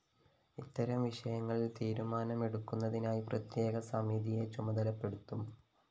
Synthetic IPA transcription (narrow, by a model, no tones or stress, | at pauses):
it̪ːɐɾɐmʋiʂɐjɐŋːɐɭilt̪iːɾumaːnɐme̞ɽukːunːɐðinaːjiprɐt̪je̞ːɡɐsɐmiðijet͡ɕumɐd̪ɐlɐpːe̞ɽut̪ːum